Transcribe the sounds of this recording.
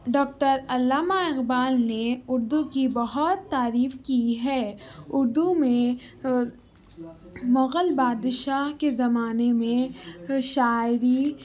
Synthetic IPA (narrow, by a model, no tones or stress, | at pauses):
ɖɔːk̚ʈəɾɐlːaːmaɪɣbaːlneʊɾd̪ukibɐɦɔt̪ːaːɾiːfkiɦɛːʊɾd̪umẽ | mɐɣəlbaːd̪ʃaːɦkezɐmaːnemẽʃaːɪɾi